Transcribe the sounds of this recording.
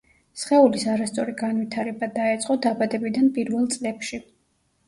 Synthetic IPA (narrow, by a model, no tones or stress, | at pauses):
sχɛulisaɾast̪sʼɔɾiɡanvit̪ʰaɾɛbad̪aɛt̪sʼqʼɔd̪abad̪ɛbid̪anpʼiɾvɛlˠt̪sʼlɛpʃi